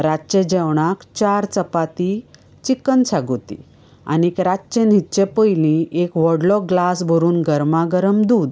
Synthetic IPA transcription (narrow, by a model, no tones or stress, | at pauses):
ɾat͡ɕed͡ʑɛwɳ̃akt͡ɕaɾt͡səpat̪i | t͡ɕikːənt͡sʰaɡot̪ḭ | a̰niekɾat͡ɕenitːt͡ɕepəjlĩʔekʋɔɽlɔɡlasbʱəɾuːnɡəɾmaɡəɾəmd̪uːd̪